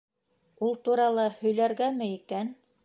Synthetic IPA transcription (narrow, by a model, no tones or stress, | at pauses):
ulˠt̪uɾɑlˠɤhɵ̆jlæɾɡæmɘikæn